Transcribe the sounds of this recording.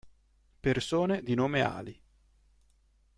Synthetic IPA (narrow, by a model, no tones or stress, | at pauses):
persoːned̪inoːmea̰ːli